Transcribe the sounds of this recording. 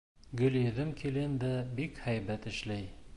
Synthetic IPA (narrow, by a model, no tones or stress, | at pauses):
ɡɵ̆ljɘ̆ðɘmkʰilɘnd̪æbikhæjβæt̪ɘ̆ʃlæj